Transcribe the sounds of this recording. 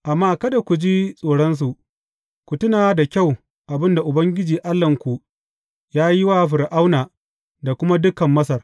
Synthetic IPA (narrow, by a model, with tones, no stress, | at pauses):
ʔa˨mːaː˦kɐ˦da˨kʷu˨d͡ʒiː˦sʼoː˨ɽɐ˦ns̬u˨ʔ | kʷʊ˨tʊ˦naː˨da˨kʲa˦˨w | ʔa˨bɪ˦nda˨ʔʊ˨bɐ˦ŋɡʲɪ˦d͡ʒiː˨ʔa˦lːɐ˨ŋkʷu˨ | jaː˦jɪ˦waː˦ɸɪ˨ɾʔa˦wnaː˨ | da˨kʷʊ˦ma˦dʊ˦kɐ˨mːɐ˦s̬ɐ˨r